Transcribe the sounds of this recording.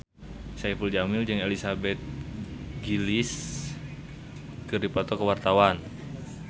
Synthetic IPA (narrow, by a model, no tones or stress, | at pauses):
saifuld͡ʒamild͡ʒɨŋelisabɛt̪̚ɡilis | kɨrdipɔt̪ɔkəwart̪awan